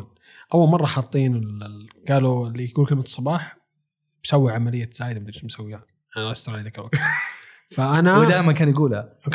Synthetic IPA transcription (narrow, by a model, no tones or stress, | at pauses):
n | ʔawːalmɑrˤːɑħɑt̪ˤːiːnɪlɡ̥aːlulːiɡuːlkɪlmat̪sˤːɑbɑːħ | b̥sawːiʕamalɪjːaz̥aːjd̪amd̪ɪɾʃmʊsawːɪjaːn | janist̪ɾɑːd̪aːkɪlwaɡt̪ | faʔanawɪd̪aːjmankaːnjaɡuːla